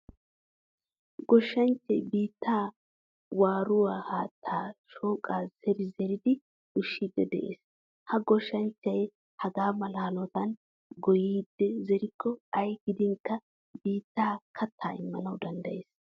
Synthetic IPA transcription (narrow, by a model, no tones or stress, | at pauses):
ɡɔʃːɐnt͡ʃːɛ̰jbiːt̪ːaː | waːɾʊwaːhaːt̪ʰːaːʃoːkʼaːz̥ɛɾɪzɛɾɪd̪ɪ | ʊʃːiːd̪ːɛd̪ɛ̰ʔḛːs | hɐɡɔʃːɐnt͡ʃːɐj | hɐɡaːmɐlaːlɔt̪ɐn | ɡɔjiːd̪ːɛzɛɾɪkʰːɔɐjɡ̥ɪd̪ɪŋkːɐ | biːt̪ːaːkʰɐt̪ʰːa̰ːɪ̰mːɐnɐwd̪ɐnd̪ɐjeːs